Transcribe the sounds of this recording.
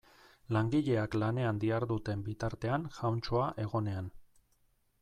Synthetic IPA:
laŋɡiʎe̞aklane̞and̪iaɾðut̪e̞mbit̪aɾt̪e̞anʝawnt͡ʃoaʔe̞ɣ̞o̞ne̞an

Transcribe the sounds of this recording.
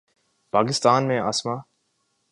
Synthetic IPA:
pʰaːɡɪstʰaːnmeːɐʔasma

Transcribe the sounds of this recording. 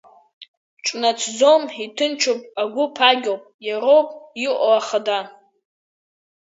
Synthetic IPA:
ʈ͡ʂʼnat͡sʰd͡zomitʰɨnt͡ʃʰopʼaɡʷʊpʰaɡʲowpʼjaɾowpʼiʔʷʼoaχada

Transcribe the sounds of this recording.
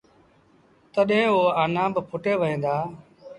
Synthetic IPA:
t̪əɗɦẽːoːaːnãːbəpʰʊʈeːʋəɦẽːnd̪aː

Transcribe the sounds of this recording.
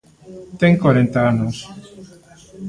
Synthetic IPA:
t̪eŋkwaɾent̪aanos

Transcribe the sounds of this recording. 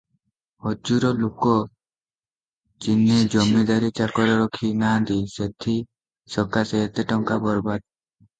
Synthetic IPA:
hɔd͡ʒuɾɔlukɔ | t͡ʃinːed͡ʒɔmed̪aɾit͡ʃakɔɾɔɾɔkʰinad̪iset̪ʰi | sɔkaseet̪eʈɔŋkabɔɾbad̪̚

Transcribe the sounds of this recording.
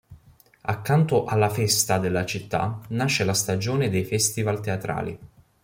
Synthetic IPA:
akːant̪oʔalːafɛst̪ad̪elːat͡ʃit̪ːa̰naʃːelast̪ad͡ʒoːned̪ejfɛst̪ivalt̪eat̪ɾa̰ːlḭ

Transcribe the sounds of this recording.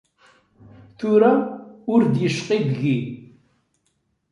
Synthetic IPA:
θuɾaʊɾd̪jəʃqibɣi

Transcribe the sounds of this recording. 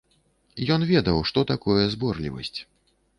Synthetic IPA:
jɔnvʲɛd̪ɐwʂt̪ɔt̪akɔjɛzbɔrlʲḭvɐ̰sʲt͡sʲ

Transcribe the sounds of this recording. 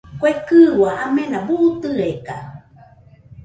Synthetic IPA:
kʷekɨwaʔamẽnabuʔut̪ɨeka̰

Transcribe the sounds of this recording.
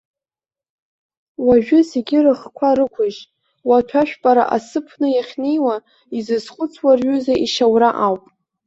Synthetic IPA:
waʒᶣʊseɡʲɪrɨχkʷʰaɾɨkʷʰʊʒ | watʷʰaʃᶣpʼaɾa̰ʔa̰sɨpʰnɨjaχʲne̞jwa | izɨzχʷʊt͡sʰwarɥʏzaʔiʃawraʔawpʼ

